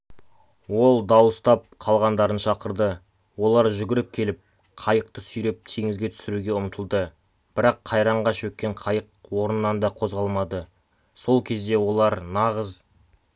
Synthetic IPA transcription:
wo̞lˠd̪ɑwəst̪ɑp̚qʰɑlˠʁɑnd̪ɑɾənʃɑqəɾd̪ə | wo̞lˠɑɾʒʏɡʲɪɾɪp̚kʲʰe̞lɪp̚ | qʰɑjəq̚t̪əsʏjɾe̞p̚t̪ʰe̞ŋɪzɡʲe̞t̪ʰʏ̥sɪɾuɡʲe̞ʊmət̪ʰəlˠd̪ə | b̥ɪɾɑqʰːɑjɾɑɴʁɑʃɵt̪̚kʲːe̞ɴqʰɑjəq̚wo̞ɾənːɑnd̪ɑqʰo̞zʁɑlˠmɑd̪ə | so̞lˠkʲʰe̞zd̪e̞wo̞lˠɑɾnɑʁəz

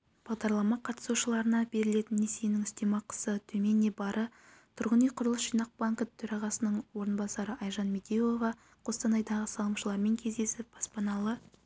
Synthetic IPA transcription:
b̥ɑʁd̪ɑɾlˠɑmɑqʰɑt̪ə̥suʃəlˠɑɾənɑbe̞ɾɪle̞t̪ɪnːesijnɪŋɪst̪e̞mɑqʰə̥sət̪ʰɵme̞nːebɑɾʔə | t̪ʰʊɾʁənijqʰʊɾəlˠəsʃijnɑq̚b̥aŋkət̪ʰɵɾɑʁɑsənəɴwo̞ɾənbɑsɑɾəɑjʒɑnmed̪ejlˠovɑ | qʰo̞st̪ɑnɑjd̪ɑʁəsɑlˠəmʃəlˠɑɾme̞ŋkʲʰe̞zd̪e̞sɪp̚b̥ɑspɑnɑlˠə

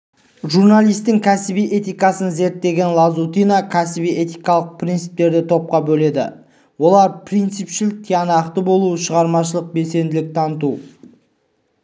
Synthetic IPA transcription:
ʒurnalˠijst̪ɪŋkʲʰæsɪbijʔe̞t̪ijkɑsənze̞ɾt̪ːe̞ɡʲe̞nlˠɑzut̪ijnakʲʰæsɪbije̞t̪ijkɑlˠəq̚pʰrʲint̪sɨ̥p̚t̪e̞ɾd̪ɪt̪ʰo̞p̚qɑbɵle̞d̪ɪ̰ | wo̞lˠɑɾpʰrijnt̪sɨpʃɪlɪk̚t̪ʰijɑnɑqt̪əbo̞lˠuʃəʁɑɾmɑʃəlˠəq̚be̞lse̞nd̪ɪlɪk̚t̪ʰɑnət̪u

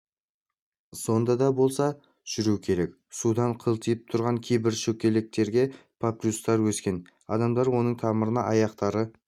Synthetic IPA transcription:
so̞nd̪ɑd̪ɑbo̞lˠsɑ | ʒ̥ʏɾukʲʰe̞ɾe̞k | sud̪ɑɴqʰəlˠt̪ʰijɪp̚t̪ʰʊɾʁɑŋkʲʰejbɪɾʃɵkʲːe̞lɪk̚t̪e̞ɾɡʲe̞pʰapɾʲust̪ɑɾwɵskʲe̞n | ɑ̰d̪ɑmd̪ɑɾwo̞nəɴt̪ʰɑməɾənɑʔɑjɑqt̪ɑɾə

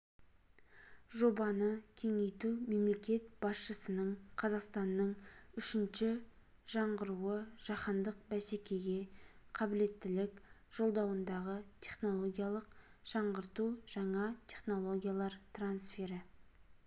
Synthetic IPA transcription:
ʒo̞bɑnəkʲʰe̞ŋe̞jt̪ume̞mle̞kʲe̞t̪b̥ɑsʃəsənəɴqʰɑzɑqst̪ɑnːəɴʏʃɪnʃɪ | ʒ̥ɑɴʁəɾuəʒ̥ɑqɑnd̪əq̚bæsekʲe̞ɡʲe̞qʰɑbɪle̞t̪ːɪlɪkʒ̥o̞lˠd̪ɑwənd̪ɑʁət̪ʲʰe̞χno̞lˠo̞ɡʲijalˠəqʒ̥ɑɴʁəɾt̪uʒ̥ɑɴɑt̪ʲʰe̞χno̞lˠo̞ɡʲijalˠɑɾt̪ransfe̞ɾɪ

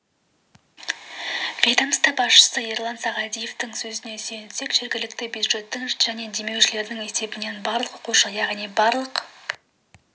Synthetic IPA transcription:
vʲejd̪amst̪ɑbɑsʃə̥səerlˠansɑʁɑd̪ʲije̞ft̪ɪŋsɵzɪne̞senɪt̪se̞kʒ̥e̞ɾɡʲɪlɪkt̪ɪbʲjud̪ʒe̞t̪ːɪŋʒ̥æne̞d̪e̞me̞wʃɪle̞ɾd̪ɪŋe̞se̞bɪne̞nbɑɾlˠəqoquʃɑjɑʁnijbɑɾlˠəq

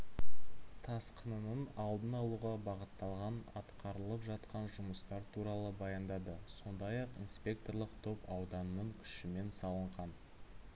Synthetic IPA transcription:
t̪ʰɑsqʰənənənɑlˠd̪ənɑlˠuʁɑbɑʁət̪ːɑlˠʁɑnɑ̰t̪qɑɾəlˠəpʒɑt̪qɑnʒʊməst̪ɑɾt̪ʰuɾɑlˠəbɑjɑnd̪ɑd̪əso̞nd̪ɑjɑqinspʲe̞k̚t̪o̞rlˠəqt̪ʰo̞pɑwd̪ɑnːəɴkʲʰʏ̥ʃɪme̞nsɑlˠəɴʁɑn

